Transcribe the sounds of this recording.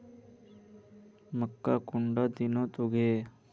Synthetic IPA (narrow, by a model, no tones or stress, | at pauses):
məkːakʊɳɖaːd̪ɪnõːt̪oɡʱeː